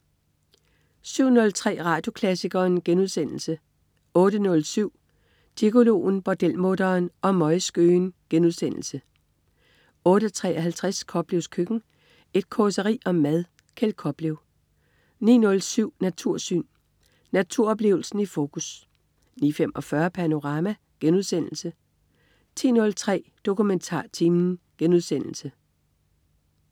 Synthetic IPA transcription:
syʊ̰nɔ̽lt͡sʰʁɛ̰ːʁɑ̈d̥jo̝kʰlæsiɡ̥ɐːnɡ̥enuð̞ˠsen̰l̩sə | ɔ̽ːɾ̥ənɔ̽lsyʊ̰ | d̥iko̝lo̝̰ːn̩b̥ɒd̥el̰moːd̥ɐːnɒ̽mɒ̽ɪsɡ̥ø̰ːnɡ̥enuðˠsen̰l̩sə | ɔ̽ːɾət͡sʰʁɛ̰ːɒɦælt͡sʰʁaskʰɒ̽b̥leʊskʰøɡ̥n̩ | e̝d̥̚kʰɒsəʁḭːɒ̽mːæðˠ | kʰelkʰɒ̽b̥leʊ | nḭːnɔ̽lsyʊ̰næt͡sʰuɐ̰sy̰ːn | næt͡sʰuɐɒ̽b̥le̝̰ːʊl̩sn̩ifo̝ːkʰus | nḭːfem̰ʔɒ̽fɶɐpʰæno̝ʁɑ̈ːmæ | ɡ̥enuð̞ˠsen̰l̩sə | t͡sʰḭːnɔ̽lt͡sʰʁɛ̰ːd̥o̝kument͡sʰɑ̰̈ːt͡sʰiːmn̩ | ɡ̥enuð̞ˠsen̰l̩sə

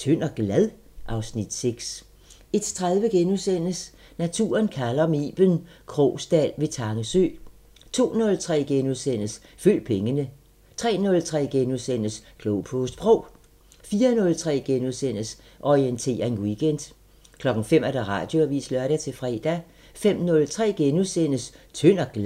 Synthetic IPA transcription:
t͡sʰøn̰ɒɡ̥læðˠ | ʔɑ̈ʊsnid̥seɡ̥s | e̝d̥t͡sʰʁaðˠʋəɡ̥enuðˠsen̰əs | næt͡sʰṵːɐnkʰælɐmḭːb̥ənkʰʁɔ̰ːsd̥ælʋe̝t͡sʰɑ̈ŋəsø̰ː | t͡sʰo̝̰ːnɔ̽lt͡sʰʁɛ̰ːɡ̥enuðˠsen̰əsføl̰pʰeŋənə | t͡sʰʁɛ̰ːnɔ̽lt͡sʰʁɛ̰ːɡ̥enuðˠsen̰əskʰloʊpʰɔsd̥b̥ʁɔʊ̰ | fiːɐnɔ̽lt͡sʰʁɛ̰ːɡ̥enuðˠsen̰əs | ʔɒient͡sʰe̝̰ːɐe̝nwiɡ̥end̥ | kʰlɒ̽ɡ̥ŋ̩fem̰æɐɾ̥ɑʁɑ̈ːd̥jo̝æʋḭːslɶɐɾ̥æt͡sʰe̝fʁɛ̰ːd̥æ | fem̰nɔ̽lt͡sʰʁɛ̰ːɡ̥enuðˠsen̰əst͡sʰøn̰ɐɡ̥l

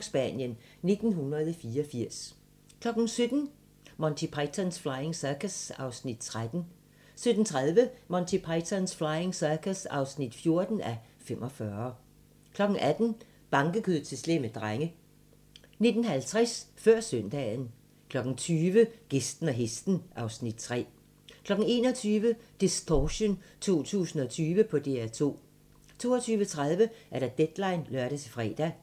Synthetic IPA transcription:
sb̥æ̰njən | ne̝d̥n̩hunɐð̞ˠfiːɐɒfiɐ̰s | kʰlɒ̽ɡ̥n̩sød̥n̩ | mɒnt͡sʰipʰɑt͡sʰænsflɑ̈ɪe̝ŋsæɐkæsɑ̈ʊsnid̥̚t͡sʰʁad̥n̩ | sød̥n̩t͡sʰʁaðˠʋəmɒnt͡sʰipʰɑɪt͡sʰænsflɑ̈ɪeŋsæɐkʰæsɑ̈ʊsnid̥fjo̝ɐd̥n̩æ | fem̰ʔɒ̽fɶːɐ | kʰlɒ̽ɡ̥n̩ʔæd̥n̩ | b̥ɑ̈ŋɡ̥əkʰyðˠt͡sʰe̝slemed̥ʁaŋə | ne̝d̥n̩ɦælt͡sʰʁɛsfɶɐ̰sœnd̥ɛ̰ːn̩ | kʰlɒ̽ɡ̥n̩t͡sʰyːʋəɡ̥esd̥n̩æɦesd̥n̩ʔɑ̈ʊsnid̥̚t͡sʰʁɛ̰ː | kʰlɒ̽ɡ̥n̩e̝̰ːnɒt͡sʰyːʋəd̥isd̥ʰɒɕont͡sʰo̝̰ːt͡sʰṵːsn̩ɒ̽t͡sʰyːʋəpʰɒ̽d̥e̝æɐt͡sʰo̝̰ː | t͡sʰo̝̰ːɒt͡sʰyːʋət͡sʰʁað̞ˠʋəʔæɐɾæd̥ed̥lɑ̈ɪnlɶɐɾət͡sʰe̝fʁɛ̰ːd̥æ

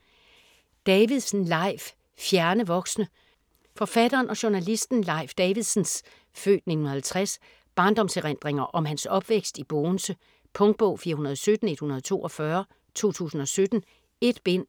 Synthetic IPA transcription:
d̥ɛʋiðˠsn̩lɑ̈ɪ̰f | fjæɐnəʋɒ̽ɡ̥snə | fɒ̽fæd̥ɐːnɒ̽ɕo̝nælisd̥n̩lɑ̈ɪ̰fd̥ɛːʋiðˠsn̩s | fø̰ːd̥ne̝̥n̩hælˠt͡sʰʁas | b̥ɑ̈ːnd̥ɒ̽mseʁen̰d̥ʁeŋɐʔɒ̽mhænsɒ̽b̥ʋeɡ̥sd̥ib̥ɔːnsə | pʰɔ̽ŋd̥̚b̥ɔʊ̰fiːɐunɐðˠsød̥n̩e̝d̥hunɐðˠt͡sʰo̝̰ːʔɒ̽fɶɐ | t͡sʰo̝̰ːt͡sʰṵːsn̩ɒ̽sød̥n̩ | e̝d̥b̥en̰

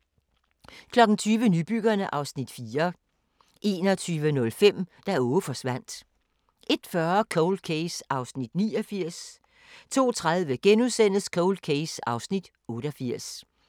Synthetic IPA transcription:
kʰlɒ̽ɡ̥n̩t͡sʰyːʋənyb̥yɡ̥ɐnəʔɑ̈ʊsnid̥fiːɐ | ʔe̝̰ːnɒt͡sʰyːʋənɔ̽lfem̰d̥æɔːəfɒ̽sʋæn̰d̥ | ʔe̝d̥fɶɐkʰɔʊl̥kʰesɑ̈ʊsnid̥niːɒfiɐ̰s | t͡sʰo̝̰ːt͡sʰʁað̞ˠʋəɡ̥enuðˠsen̰əskʰɔʊl̚kʰeɪsɑ̈ʊsnid̥ | ɔ̽ːɾ̥ɒfiɐ̰s

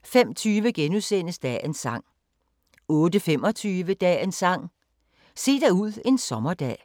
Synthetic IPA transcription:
fem̰t͡sʰyːʋəɡ̥enusen̰əsd̥ɛ̰ːensɑ̈ŋ̰ | ɔ̽ːdəfem̰ɒ̽t͡sʰyːʋəd̥ɛ̰ːensɑ̈ŋ̰ | se̝̰ːd̥æuð̞̰ˠe̝nsɒ̽mɐd̥ɛ̰ː

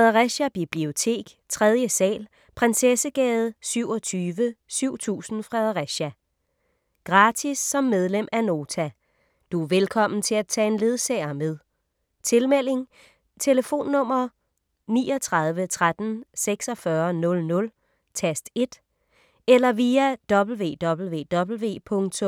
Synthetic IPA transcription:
fɛðˠɐʁæɕæb̥ib̥lio̝t͡sʰe̝̰ːɡ̥ | t͡sʰʁɛð̞ˠjəsɛ̰ːl | pʰʁansesəɡ̥ɛːð̞̩ˠsyʊ̰ɒ̽t͡sʰyːʋəsyʊ̰t͡sʰṵːsn̩fʁɛðˠɐʁæɕæ | ɡ̥ʁɑ̈ːdʰisːɒ̽mːeð̞ˠlem̰æno̝ːt͡sʰæ | d̥uʋelkʰɒ̽m̰n̩t͡sʰe̝læt͡sʰɛ̰e̝nle̝ð̞ˠsɛ̰ɪɐmeð̞ˠ | t͡sʰe̝lmel̰e̝ŋ | t͡sʰe̝ləfo̝̰ːnːɔ̽m̰ɐ | niːɒt͡sʰʁɑ̈ð̞ˠʋət͡sʰʁad̥n̩seɡ̥sɒfɶɐnɔ̽lnɔ̽l | t͡sʰesd̥e̝d̥ | elɐʋiæd̥ɒ̽b̥l̩ʋe̝̰ːd̥ɒ̽b̥l̩ʋe̝̰ːd̥ɒ̽b̥l̩ʋe̝̰ːpʰɔ̽ŋt͡sʰɔ̽m

